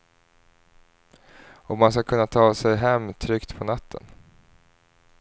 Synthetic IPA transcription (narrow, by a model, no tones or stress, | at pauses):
ɔmːans̬kakʰɵnːat̪ʰɑːsɛjɦɛmːt̪ʰɾʏkt̪pʰɔnat̪ʰːə̰n